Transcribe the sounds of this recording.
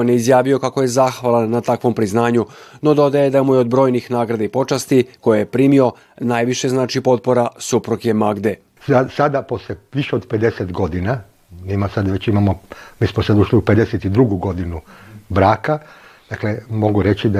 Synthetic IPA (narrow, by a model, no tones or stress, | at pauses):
onjeizjaːʋio̞kako̞je̞zaːxʋalˠanːat̪akʋo̞mpɾiznaːɲuno̞d̪o̞d̪aje̞d̪amujeod̪bɾo̞ːjnixnaːɡɾad̪eipo̞t͡ʃast̪iko̞jejepɾiːmio̞ | najʋiʃe̞znaːt͡ʃipo̞t̪̚po̞ɾasupɾukjemaɡd̪e̞ | asad̪aposleʋiʃeod̪ped̪eset̪ɡo̞d̪ina | nɛːmasad̪ʋet͡ɕimamomiːsmosad̪uʃliuped̪eset̪id̪ɾuɡuɡo̞d̪inubɾaːkad̪aklemo̞ɡuɾet͡ɕid̪